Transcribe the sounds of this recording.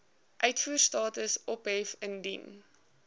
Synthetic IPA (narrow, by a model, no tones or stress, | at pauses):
ʔœɥtfuːərstɑːtəsʔɔpɦɛfəndin